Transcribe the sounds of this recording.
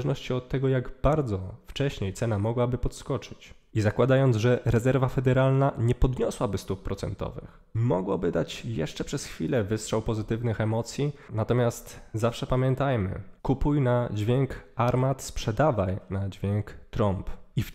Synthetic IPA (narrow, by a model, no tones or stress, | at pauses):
ʐnɔɕt͡ɕiɔt̪ːɛɡɔjaɡbaɾd̪zɔft͡ʂɛɕɲejt̪sɛnamɔɡwabɘpɔt̪skɔt͡ʂɘ̥t͡ɕ | izakwad̪ajɔnd̪zʐɛɾɛzɛɾvafɛd̪ɛɾalnaɲɛpɔd̪ɲɔswabɘst̪up̚pːɾɔt̪sɛ̰nt̪ɔ̰vɘ̰x | mɔɡwɔbɘd̪at͡ɕjɛ̰ʂt͡ʂɛpʂɛsxfʲilɛvɘstʂɛwpɔzɘt̪ɘvnɘxɛmɔt̪sʲjinat̪ɔmʲjast̪zafʂɛpamʲjɛnt̪ajmɘ̰kupujnad͡ʑvʲjɛŋkaɾmat̪spʂɛd̪avajnad͡ʑvʲjɛŋkt̪ɾɔmpif